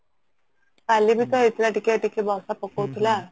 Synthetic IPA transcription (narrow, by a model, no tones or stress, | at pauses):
kalibʱit̪ɔit̪ilaʈikeʈikebʱawsapɔkowt̪ʰila